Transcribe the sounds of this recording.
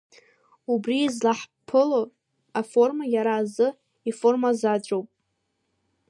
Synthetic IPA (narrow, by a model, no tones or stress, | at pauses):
ubriːzlaħpʰɨlo | afo̞rmajaɾaːzɨ | ifo̞rmazad͡ʒʷʼowpʼ